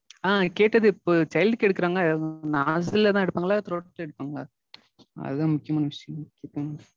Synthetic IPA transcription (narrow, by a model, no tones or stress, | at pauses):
aːkeːʈːɐðɯɪpːoːt͡ʃɐɪlɖkɛɽɯkːɯɾaːŋɡɐnaːsɪlɐt̪ãːɛɽɯpːaːŋɡɐlaːt̪ɾoːɽɐk̚ʈːlɐɛɽɯpːaːŋɡaː | ɐ̰ðɯðãːmʊkːɪjɐmaːnɐʋɪʂjɐ̃mʊkːɪjɐ